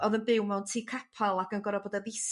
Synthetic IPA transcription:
ɔðənbɪwmɛwntʰiːkʰapʰalˠaɡənɡɔɾɔboːdaðɪs

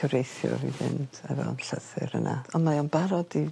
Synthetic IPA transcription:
əwɾejθjɔ̰vivɪnd̥ɛvɔnɬəθɪɾənʔaɔnmajɔnbaɾɔdi

